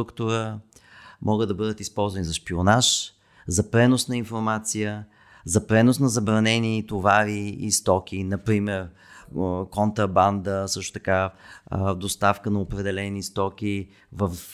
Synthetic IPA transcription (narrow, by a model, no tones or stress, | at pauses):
ɾukt̪oɾə | mʔɔɡəd̪d̪ɐbɤd̪ət̪ispɔlˠzvɐnizɐʃpionaʃ | zɐpɾɛnosnɐinfoɾmat̪sijə | zɐpɾɛnosnɐzɐbɾɐnɛnit̪ovaɾiːst̪ɔk̟ʰʲinɐpɾimɛɾ | kont̪ɾɐband̪əsɤʃt̪o̥t̪ɐ̥ka | d̪ost̪afkənɐopɾɛd̪ɛlɛnist̪ɔkʲi | vəf